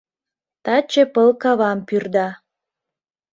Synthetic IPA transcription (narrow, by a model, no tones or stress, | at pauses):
t̪ɑt͡ɕĕpəlkɑβɑmpyrd̪ɑ